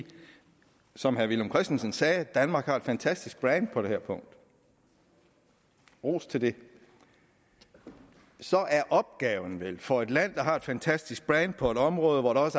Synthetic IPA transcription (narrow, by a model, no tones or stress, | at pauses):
sɒ̽mhæɐʋilomkʰʁɛsd̥en̩sənsɛːd̥ænmɑ̈ːɡ̥hɑ̈e̝d̥fænt͡sʰæsd̥isɡ̥̚b̥ʁɛnd̥̚pʰɒ̽d̥e̝hæɐ̰pʰɔ̽ŋ̰d̥ | ʁo̰ːst͡sʰe̝ld̥e̝ | sɒ̽ʔæɐʔɒ̽b̥̚ɡ̥ɛːʊn̩ʋelfɒ̽e̝d̥læn̰d̥ɑ̈ɦɑ̈e̝d̥fænt͡sʰæsd̥isɡ̥̚b̥ʁɛnd̥̚pʰɒ̽e̝ɾ̥ɒ̽mʁɔ̽ːð̞ˠəʋɒd̥ɑ̈ɒ̽s